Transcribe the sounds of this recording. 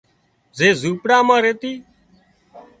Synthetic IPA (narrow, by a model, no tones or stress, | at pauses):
zeːzuːpɽaːmãːɾeːt̪iː